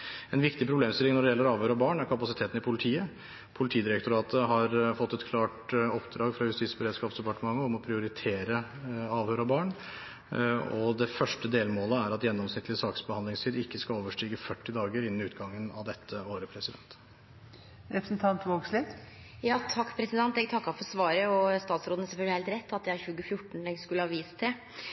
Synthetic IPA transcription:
ɛnʋɪkt̪ɪpʰɾʊbleːmst̪ɪlːɪŋnɔɖɛjɛlːəɾɑːʋhøːɾɑbɑːɳæɾkʰɑpɑsɪt̪ʰeːt̪n̩ɪpʰʊlɪt̪ʰiːə | pʰʊlɪt̪ʰiːəd̪ɪɾɛkt̪ʊɾɑːt̪ʰəɦɑɾfɔt̪ːɛt̪kʰlɑːʈɔpd̪ɾɑːɡfɾɑjʉst̪iːsbəɾeːd̪skɑːpsd̪ɛpɑʈəmɑŋːəɔmɔpʰɾɪʊɾɪt̪ʰeːɾə | ɑːʋhøːɾɑbɑːɳ | ɔd̪ɛfœʂʈəd̪eːlmoːləæɾɑt̪jɛnːɔmsnɪt̪lɪsɑːksbəhɑnd̪lɪŋst̪ʰiːd̪ɪkːəskɑloːʋəʂʈiːɡəfœʈːɪd̪ɑːɡəɾɪnːnʉːt̪ɡɑŋːənɑ̰ʋd̪ɛt̪ʰːəoːɾəpʰɾɛsɪd̪ɛ̰nt̪ | ɾɛpɾsn̩t̪ʰɑnt̪ʋoːɡslɪ | jɑːt̪ʰɑkːpʰɾɛsɪd̪ɛnt̪ɛɡ̚t̪ʰɑkːɑfɔɾsʋɑːɾəɔst̪ɑːt̪sɾoːd̪əəsɛfœlɡlɪheːlt̪ɾɛt̪ːɑt̪d̪jææɾçʉːɡəfjʊʈːɳ̩ɛɡskʉləhɑʋiːst̪ʰɛ

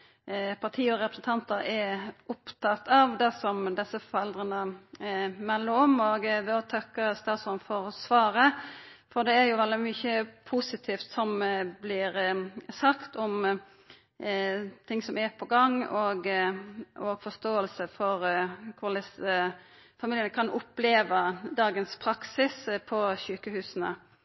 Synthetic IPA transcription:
pʰɑʁt̪ʰiːɔɾɛpɾəsən̩t̪ʰɑnt̪əɾɛʊpt̪ʰɑt̪ɑʋd̪æsɔmd̪ɛsəfɔɾɛld̪ʁənə | mɛlːəɾɔmoɡʋɛɔt̪ʰɑkːəst̪ɑːsɔnfɔɾɔsʋɑːɾəfɔʁd̪ɛæɾjʊʋɛld̪ɪmʏçəpʰusɪt̪ʰiːft̪sɔmblɪɾsɑkt̪ʰɔm | t̪ʰɪŋsɔmæpʰɔɡɑŋoːɡ | ɔɡfɔst̪oːəlsəfɔʁkʰʊlɪsə | fɑmiːlənəkʰɑnʔʊpleːʋəd̪ɑːɡənspʰɾɑksɪspʰɔçʉːkəhʉːsənə̰

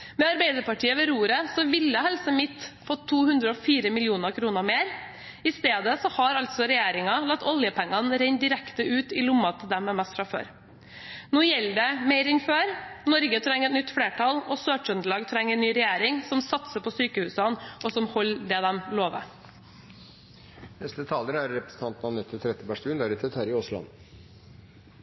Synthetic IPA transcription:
mɛɑɾbæɪd̪əɾpɑʈʰiːəʋɛɾuːɾəsɔʋɪlːəhɛlsəmɪt̪fɔt̪ʰːuːhʉnd̪ɾəɔfiːɾəmɪlɪuːnəɾkʰɾuːnəɾmeːɾ | ɪst̪eːd̪əsɔhɑɾɑlt̪sɔɾɛjeːɾɪŋɑlɑt̪ːɔljəpʰɛŋːɑnɾɛɲd̪ɪɾɛkt̪əʉːt̪ɪlʊmːɑt̪ʰɪld̪ɛmːɛmɛst̪fɾɑfø̰ːɾ | nuːjɛlːəɖɛmeɪɾɪnføːɾnɔɾɡət̪ʰɾɛŋːəɾɛt̪nʏt̪ːfɽeːʈʰɑlɔsøːʈœnd̪əɭɑːɡt̪ʰɾɛŋːɛnyːɾɛjeːɾɪŋsɔmsɑt̪səpʰɔsyːkəhʉːsɑnɔsɔmhɔlːd̪ɛd̪ɛmloːʋə̰ | nɛst̪ət̪ʰɑːləɾəæɾɾɛpɾəsn̩t̪ʰɑnt̪nɑʋnɛt̪ʰːət̪ʰɾɛt̪əbæʂt̪ʉːnd̪æːɾɪt̪ʰɛt̪ʰæɾɪɔslɑ̰n

